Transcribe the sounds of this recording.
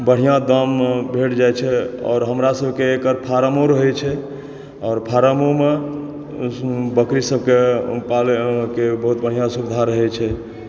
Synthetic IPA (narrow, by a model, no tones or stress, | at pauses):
bəɽ̤ijãd̪əmbʱeʈd͡ʒajt͡ʃʰɛɔ̰ːɾɦəmɾasəbʱkeːkəɾpʰaɾəmoɾəɦɛt͡ʃʰɛ | ɔːɾpʰaɾəmome | bəkɾisəbʱkepalkebəɦut̪̚bəɽ̤ijãsubd̪ʱaɾəɦɛt͡ʃʰɛ